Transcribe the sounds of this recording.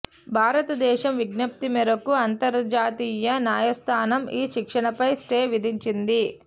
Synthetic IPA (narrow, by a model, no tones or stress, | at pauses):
bʱaːɾɐt̪ɐd̪ɛːʃɐmʋiɡnɐp̚t̪imɛɾɐkuɐnt̪ɐɾd͡ʒaːt̪iːjɐnaːjɐst̪ʰaːnɐmiːʃikʂɐɳɐpɐjsʈeːʋid̪ʱiɲt͡ʃind̪i